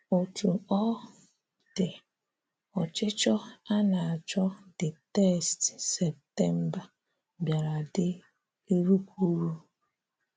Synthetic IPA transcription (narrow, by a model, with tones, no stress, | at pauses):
o˨tʰu˨ɔ˦ | d̥ɪ˨ | ɔ˨t͡ʃɪ˦t͡ʃɔ˦a˦na˨a˨d͡ʒɔ˦dɪ˨tɛ˦˨stsɛ˨p̚tɛ˦m̩˦ba˨ | bja˨ɾa˨dɪ˦ | e˦ɾu˦kʰʷu˦ɾu˦